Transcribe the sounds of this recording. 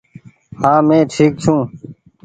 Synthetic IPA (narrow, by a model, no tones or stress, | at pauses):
hãːmẽːʈʰiːk̚t͡ʃʰũː